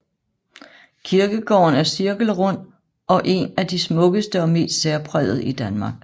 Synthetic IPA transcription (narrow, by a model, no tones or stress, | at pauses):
kʰiɐɡ̥əɡ̥ɒ̰ːnæɐsiɐɡ̥l̩ʁɔn̰ | ɒ̽ʔe̝næd̥ismɔ̽ɡ̥əsd̥əɒ̽me̝̰ːsd̥seɐpʰʁɛð̰ˠð̞̩ˠid̥ænmɑ̈ːɡ̥